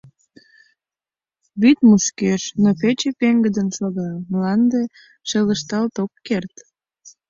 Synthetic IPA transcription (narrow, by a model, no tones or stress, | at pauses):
βyt̪muʃkeʃnopet͡ɕepeŋɡəd̪ənʃoɣɑmlɑnd̪e | ʃeləʃt̪ɑlt̪okːert̪